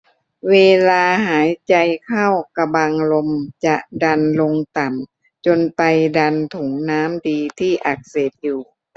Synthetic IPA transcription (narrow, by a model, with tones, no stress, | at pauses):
weː˧laː˧ɦaː˩˦jt͡ɕa˧jkʰa˥˩wka˧ba˧ŋlo˧mt͡ɕa˨˩ʔda˧nlo˧ŋt̪a˨˩m | t͡ɕo˧npa˧jda˧nt̪ʰu˩˦ŋnaː˦˥mdiː˧t̪ʰiː˥˩ʔa˨˩k̚seː˨˩p̪̚juː˨˩